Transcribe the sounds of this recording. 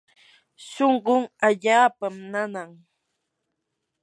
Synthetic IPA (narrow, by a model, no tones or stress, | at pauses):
ʃoɴɢoŋaʎaːpamnanaŋ